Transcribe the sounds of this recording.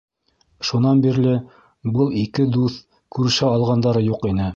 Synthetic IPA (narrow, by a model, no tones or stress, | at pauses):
ʃunɑnbiɾlɘ | bɤlˠikɘd̪uθ | kʉɾɘ̆ʃæɑlˠʁɑnd̪ɑɾɤjuqinɘ